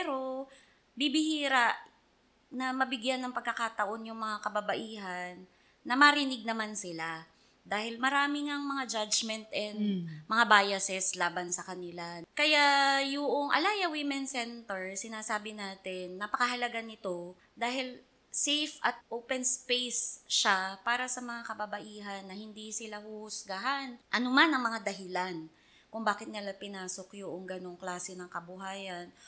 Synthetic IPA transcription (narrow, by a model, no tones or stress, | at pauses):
pɛɾo̞ | bibɪhiːɾaʔ | nɐmɐbɪɡjanːɐŋpɐɡ̚kːɐkat̪ɐʔo̞njʊŋmɐŋakɐbɐbɐʔiːɦɐnː | ɐmɐɾɪnɪɡ̚nɐmansɪla | d̪aːhɪlmɐɾaːmɪŋaŋmɐŋad͡ʒad͡ʒmɛnt̪ʔɛnd̪mɐŋabaːjɐsɛslaːbɐnsɐkɐnɪlakɐjajʊʔoŋʔɐ̰laːjɐwɪmɛnsɛnt̪ɛɹsɪnaːsaːbɪnaːt̪ɪnːɐpɐkɐɦɐlɐɡanɪt̪o̞ | d̪aːhɪl | sejfʔɐt̪̚ʔowpɛnspejsʃapaːɾɐsɐmɐŋakɐbɐbɐʔiːɦɐnːɐhɪnd̪isɪlahʊhʊsɡaɦanʔɐnʊmanɐŋmɐŋad̪ɐɦɪlan | kʊŋbaːkɪt̪̚nɪlapɪnaːsokjʊʔoŋɡɐno̞ŋklaːsɛnɐŋkɐbʊɦaːjɐn